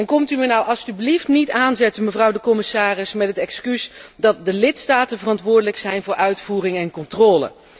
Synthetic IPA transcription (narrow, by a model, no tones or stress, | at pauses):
ɛnkɔmtymənɔwʔɑlˠstybliftnitaːnzɛtəməvrɑwdəkɔmɪsaːrɪsmɛtɦətɛkskysdɑt̚dəlɪtstaːtənvərɑntʋʊːɹdələksɛjnvʊːɹʔœɥtfuːrɪŋɛnkɔntrɔːlə̰